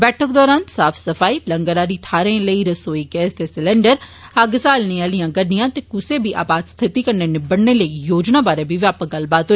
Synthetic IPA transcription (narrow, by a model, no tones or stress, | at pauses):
bɛːʈʰək̚d̪ɔːɾaːnsaːpʰsəfʰaːiːləŋɡəɾaːɾiːt̪ʰaːɾẽːləiːɾəsoːiːɡɛːsd̪eːsɪlɛ̃ːɳɖəɾəɡsaːlnĩːəlijãːɡənɪjãːt̪eːkʊseːbʱiːʔa̰ːbaːd̪st̪ʰɪt̪iːkəɾneːnɪbəɽneːləijoːd͡ʒnaːbaːɾeːbiʋjaːpəɡəlbaːt̪ɦo